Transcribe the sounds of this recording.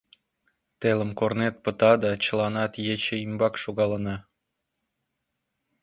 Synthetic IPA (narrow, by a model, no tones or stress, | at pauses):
t̪elə̆mkornet̪̚pə̆t̪ɑd̪ɑt͡ɕəlɑnɑt̪jet͡ɕə̆imbɑkʃoɣɑlənɑ